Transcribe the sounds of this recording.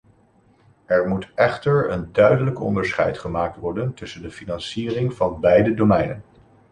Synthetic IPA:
ɛɹmutɛχtəɹə̰ndœɥdələkɔ̰ndəɹsχɛ̰jtχəmaːk̚tʋɔɹdəntɵsəndəfinɑnsiːrɪŋvɑnbɛjdədomɛjnən

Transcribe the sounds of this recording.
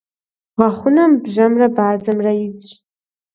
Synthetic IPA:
ʁaχʷʊnambʒamrabaːzamraizʃʼ

